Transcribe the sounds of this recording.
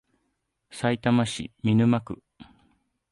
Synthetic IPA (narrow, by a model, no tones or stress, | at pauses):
sait̪amaɕḭmʲinɯ̟makɯ̟̰